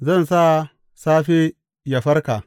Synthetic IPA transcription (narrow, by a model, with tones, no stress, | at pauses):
zɐ˦˨nsa˦ | saː˦ɸe˦ | ja˨ɸɐ˦ɾka˨